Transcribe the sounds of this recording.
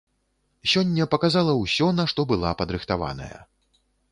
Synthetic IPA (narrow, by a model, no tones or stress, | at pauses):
sʲɔnʲːɐpɐkazalˠɐwsʲɔnɐʂt̪ɔbɨlˠapɐd̪ɾɨxt̪ava̰nɐ̰jɐ̰